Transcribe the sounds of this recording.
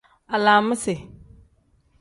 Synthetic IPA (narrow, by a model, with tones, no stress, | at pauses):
a˨laː˨mɪ˦sɛ˨